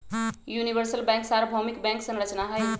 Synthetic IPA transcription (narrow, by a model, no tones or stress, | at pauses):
junibəɾsəlbɛ̃ŋksaɾbʱɔmikbɛ̃ŋksə̃nɾət͡ʃnaɦəj